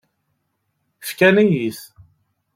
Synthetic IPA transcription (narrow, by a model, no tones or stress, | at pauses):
fkænæjiθ